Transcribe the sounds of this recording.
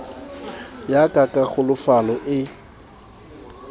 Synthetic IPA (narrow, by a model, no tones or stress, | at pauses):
jakʼakʼaɣʊlʊfalɔʔɪ